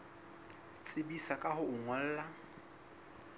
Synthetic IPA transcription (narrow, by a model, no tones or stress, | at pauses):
t͡sʼɪbisakʼahʊʊŋwal̩ːla